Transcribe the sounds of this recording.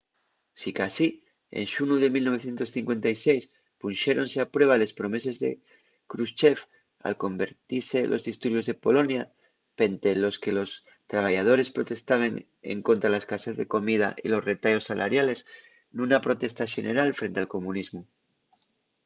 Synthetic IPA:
sikasi | ḛnʃunuðe̞milno̞βe̞θje̞nt̪osθiŋkwe̞nt̪ajse̞js | punʃe̞ɾo̞nseapɾwe̞β̞ale̞spɾo̞me̞se̞zðḛ | kɾust͡ʃe̞f | a̰lko̞mbe̞ɾt̪iɾse̞lʔo̞zðist̪uɾβjo̞zðe̞po̞lo̞nja | pe̞nt̪e̞lo̞ske̞lo̞s | t̪ɾaβ̞aʝað̞o̞ɾe̞spɾo̞t̪e̞st̪aβeŋ | ḛŋko̞nt̪ɾalaskasazðe̞̰ko̞mið̞a̰ʔḭlo̞sre̞t̪ajo̞sːalʔa̰ɾjale̞s | nunapɾo̞t̪e̞st̪aʃe̞ne̞̰ɾalfɾe̞nt̪ealkomunizmu

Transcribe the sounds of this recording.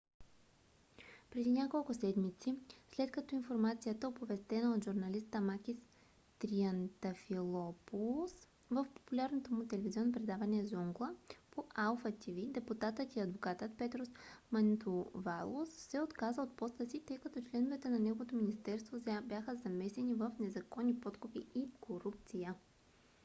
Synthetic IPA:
pɾɛd̪inʲakolˠkʊsɛd̪mit̪sislɛt̪kɐt̪ɔinfoɾmat̪sijət̪əopovɛst̪ɛnəot̪ʒuɾnɐlist̪əmakʲis | t̪ɾiɐnt̪ɐfilˠɔpus | vəfpo̥pulʲaɾnot̪omʊt̪ɛlɛviziɔnːopɾɛd̪avɐniɛzɔŋɡlˠəpoʔalˠfət̪ivid̪ɛput̪at̪ət̪iɐd̪vokat̪ət̪pɛt̪ɾosmɐnt̪ʊvalˠosːɛot̪kazəot̪̚pɔst̪əsit̪ɤjkɐt̪ɔt͡ʃlɛnʊvɛt̪ɛnɐnɛɡovot̪ominist̪ɛɾst̪vobʲjaxəzɐmɛsɛnivəfnɛzɐkɔnːipɔt̪kʊpiikʰoɾup̚t̪sijə

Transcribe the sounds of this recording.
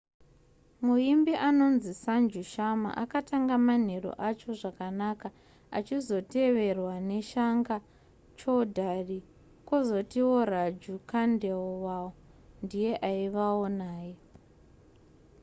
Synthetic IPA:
muimbiʔano̞nzisand͡ʒuʃama̰ʔakataŋɡaman̤eɾo̰ʔat͡ʃo̞ʐakanaka | at͡ʃizo̞te̞ʋe̞rwane̞ʃaŋɡa | t͡ʃo̞dʱari | ko̞zo̞tiwo̞rad͡ʒukandeowawo | ndije̞ʔaiʋaonaːje

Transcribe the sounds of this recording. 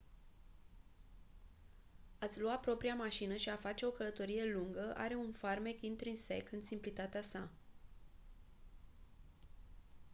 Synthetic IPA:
at̪sʲluat̪̚pɾo̞pɾiamaʃinəʃiafat͡ʃe̞o̞kələt̪o̞ɾije̞luŋɡəʔa̰ɾe̞unfarmekint̪ɾinsḛkɨnsimplit̪at̪easa

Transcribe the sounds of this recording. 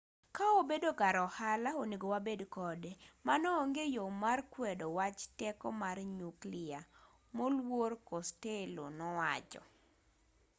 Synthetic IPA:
kaobedokaɾɔhalaoneɡowabedkɔdemanɔːŋɡejomarkwɛdɔwat͡ʃtɛkɔmarɲuklɪa | molworkostelo̰nɔwa̰t͡ʃɔ̰

